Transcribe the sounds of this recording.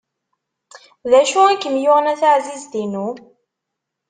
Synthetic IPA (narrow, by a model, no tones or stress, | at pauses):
ðæʃuækːəmjʊʁnæθaʕzizd̪inu